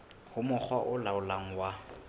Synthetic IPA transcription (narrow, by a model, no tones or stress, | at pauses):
hʊmʊk͡xʰwaʔʊlaʊlaŋ̩wa